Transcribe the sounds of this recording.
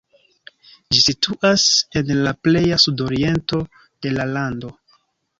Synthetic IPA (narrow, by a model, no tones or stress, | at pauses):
d͡ʒisitʰuʔase̞nlaple̞jasudo̞ɾie̞nto̞ | d̥e̞lalando̞